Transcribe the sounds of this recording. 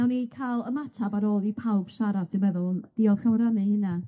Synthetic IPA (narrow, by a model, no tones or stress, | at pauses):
awnikʰalˠəmatʰabaɾoːlˠipʰawb̥ʃaɾadd̥ɨmɛðʊlˠnð̥iɔðɬawɾanɨhɨna